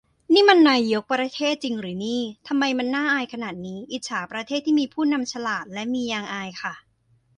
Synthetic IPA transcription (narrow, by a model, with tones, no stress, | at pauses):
niː˥˩ma˧nːaː˧jjo˦˥k̚pɾa˧t̪ʰeː˥˩t̪̚t͡ɕi˧ŋɾɯː˩˦niː˥˩t̪ʰa˧mːa˧jma˧nːaː˥˩ʔaː˧jkʰa˧naː˨˩t̪̚niː˦˥ʔi˨˩sʰaː˩˦pɾa˧t̪ʰeː˥˩t̪ʰːiː˥˩miː˧pʰuː˥˩na˧mt͡ɕʰa˧laː˨˩t̪̚lɛ˦˥miː˧jaː˧ŋʔaː˧jkʰa˥˩